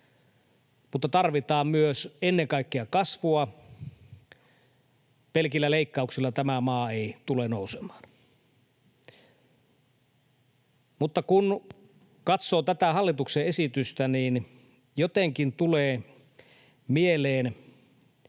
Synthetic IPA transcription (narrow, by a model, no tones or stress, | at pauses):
mut̪ːɑt̪ɑrʋit̪ɑːmmyøsenːeŋkɑikːeɑkɑsʋuɑ | pelkilːæleikːɑuksilːɑt̪æmæmɑːeit̪ulenoˑusemɑ̥ːn | mut̪ːɑkun | kɑt̪soːt̪æt̪æhɑlːit̪ukseesit̪yst̪æniːn | jot̪eŋkint̪uleː | mieleːn